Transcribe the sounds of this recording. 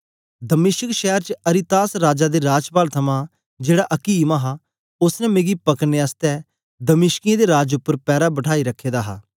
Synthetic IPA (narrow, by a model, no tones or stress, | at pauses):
d̪əmɪʃəkʃɛːəɾt͡ʃəəɾɪt̪aːsɾaːd͡ʒaːd̪eːɾaːd͡ʒpaːlt̪ʰəmãː | d͡ʒeːɽaʔɐkiːmãːɦaː | ʊsnɛ̃ːmẽːɡipəkneːast̪ɛː | d̪əmɪʃkijãd̪eːɾaːd͡ʒʊpːəɾpɛːɾaːbəʈʰaːiɾəkʰːeːd̪aːɦa̰ː